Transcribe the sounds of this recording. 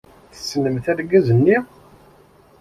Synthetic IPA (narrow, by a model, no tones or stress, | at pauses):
θə̥sːənəmθæɾɡæzənːi